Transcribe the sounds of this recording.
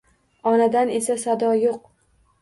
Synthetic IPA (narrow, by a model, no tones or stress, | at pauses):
ɒnad̪ane̞sasad̪ɒjoq̚